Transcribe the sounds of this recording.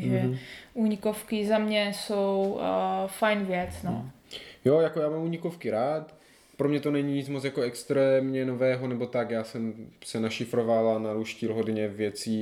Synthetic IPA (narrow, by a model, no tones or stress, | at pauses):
ʒɛʔuːɲɪkofkɪzamɲɛsow | fajnvjɛt͡sno̰jojakojaːmamuːɲɪkofkɪɾaːt̪ | pɾomɲɛt̪o̞nɛɲiɲit͡smot͡sjakoɛkst̪ɾɛːmɲɛnovɛːɦo̞nɛbo̞t̪akjaːsɛmsɛnaʃɪfɾovalanaɾuːʃcilɦodɲɛvjɛt͡siː